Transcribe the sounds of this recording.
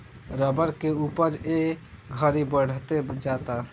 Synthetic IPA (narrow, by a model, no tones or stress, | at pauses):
ɾəbəɾkeupəɾe | ɡʱəɾibəɽ̤t̪ed͡ʒat̪a